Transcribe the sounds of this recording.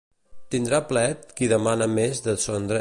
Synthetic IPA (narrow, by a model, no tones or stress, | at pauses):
t̪ind̪ɾaplɛt̪̚kiðəmanəmezðəsond̪ɾə